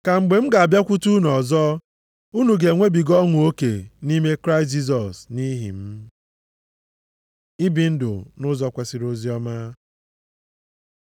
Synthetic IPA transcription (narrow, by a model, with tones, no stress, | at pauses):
ka˨ŋ͡m̩˨ɡ͡be˨m̩˦ɡa˨a˨bja˦kʷu˦tu˦nɔ˨zɔ˦ | u˦nu˨ɡe˨ŋʷe˦bi˨ɡɔ˦ŋʷʊ˨o˦kḛ˨ni˦me˦kɾa˦ɪ˨st̬̚d͡ʒi˦z̬ɔ˨sni˦ɦḭ˨m̩˦ | i˦bi˨n̩˦dʊ̰˨nʊ˦zɔ˨kʷe˦si˨ɾo˦zi˦ɔ˦ma˦